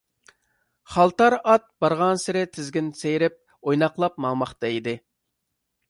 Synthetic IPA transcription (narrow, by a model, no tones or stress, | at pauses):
χɑlˠt̪ɑɾɑt̪̚b̥ɑɾʁɑnsɪɾɪt̪ʰɪzɡʲɪnsejɾɪp̚ | ojnɑqlˠɑp̚mɑŋmɑχt̪ɑid̪ɪ